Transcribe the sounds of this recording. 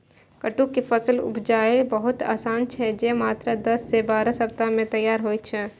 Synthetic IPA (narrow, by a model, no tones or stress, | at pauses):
kəʈukifʰəsəlʊ̰pʰd͡ʒaːebəɦʊt̪a̰ːsaːnt͡ʃʰɛd͡ʒemaːt̪ɾad̪ɐsːebaːɾasɐpt̪amẽt̪ɐjːaːɾɦoːit͡ʃʰɛ